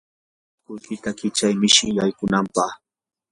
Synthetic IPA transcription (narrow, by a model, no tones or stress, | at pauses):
kʊjkɪt̪akɪt͡ʃajmɪʃɪjajkʊnampɑχ